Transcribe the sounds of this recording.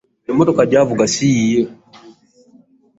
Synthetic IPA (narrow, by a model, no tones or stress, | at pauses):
nɛmɔtɔkaɟavuɡasiijɔ